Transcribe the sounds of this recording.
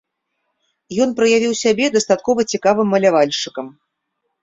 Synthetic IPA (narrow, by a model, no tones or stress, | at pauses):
jɔnpɾɐjavʲiwsʲabʲɛd̪ɐst̪at̪̚kɔvɐt͡sʲikavɨmːɐlʲavalʲʂɨkɐm